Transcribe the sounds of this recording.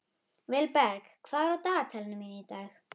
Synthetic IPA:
vɛlpɛɾkkʰvaːɾɔt̪aːt̪ʰɛlnʏminit̪aːx

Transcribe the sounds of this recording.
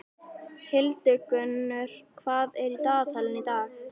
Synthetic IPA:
hɪlt̪ɪkʏnːʏɾ̥kʰvaːðɛɾit̪aːθalɪnit̪aːx

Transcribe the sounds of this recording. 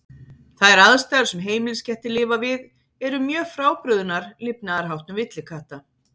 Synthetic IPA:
θaðɛɾaðst̪aɾ̥sɛmɦeːjmɪlscɛht̪ɪlɪːvavɪð | ɛɾʏmjœːfɾaːwpɾʏðʏnaɾ̥lɪpnaaɾ̥ɦawht̪nʏmvɪt̪lɪkʰaht̪a

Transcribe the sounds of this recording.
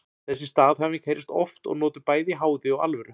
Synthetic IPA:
θɛsːɪst̪aːðhavɪcʰeɾɪst̪ɔft̪ɔ̰ɣnɔːt̪ʏpaːjðiɦaːwðɪɔwa̰lvɛɾʏ

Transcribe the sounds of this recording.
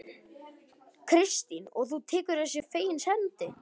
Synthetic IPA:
kʰɾɪst̪inɔ̰ɣθut̪ʰɪːkʏɾðɛsjɛfeːjɪnshɛnt̪ɪ

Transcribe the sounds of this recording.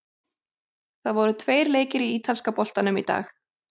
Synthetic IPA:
θaðvɔɾʏt̪ʰveːjɾleːjcɪɾiiːt̪ʰalskapɔl̥t̪anʏmḭt̪a̰ːx

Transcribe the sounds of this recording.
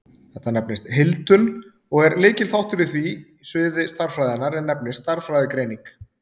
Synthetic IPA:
θɛht̪anɛpnɪst̪ɦɪlt̪ʏn | ɔɣɛɾleːjcɪlθawht̪ʏɾɪθvi | svɪːðɪst̪aɾfɾajðanːaɾɛnːɛpnɪsst̪aɾ̥fɾajðɪkɾeːjniŋk

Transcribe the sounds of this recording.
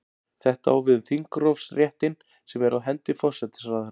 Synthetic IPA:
θɛht̪awvɪðθiŋkɾɔfsrjɛht̪ɪn | sɛmɛɾaðɦɛnt̪ɪfɔr̥sɛt̪ɪ̥sɾað

